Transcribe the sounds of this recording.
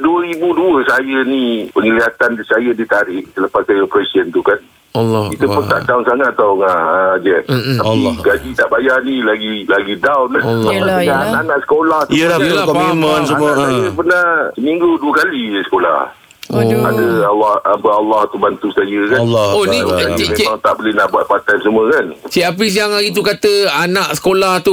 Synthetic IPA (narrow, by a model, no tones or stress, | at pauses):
duəɾibuduəsajənĩpəŋiliat̪ansajədit̪aɾɪʔsələpasajəpɾesiənt̪ukan | it̪upunt̪aʔt̪aʊnsaŋat̪ːaŋad͡ʒɛt̪̚t̪apiɡad͡ʒit̪aʔbajanilaɡilaɡidawnaananãʔsə̥kolaht̪akɔmimənaajəpənasəmĩŋɡuduəkaliəsə̥kola̰h | oa̰dəalːahapəalːaht̪ubant̪usajəkanlːonimemaŋt̪aʔbolehnaʔbuat̪̚pat̪amsuməkant͡ʃɛʔap̬is̬iaŋlaɡit̪̬ukat̪əanãʔsə̥kolaht̪u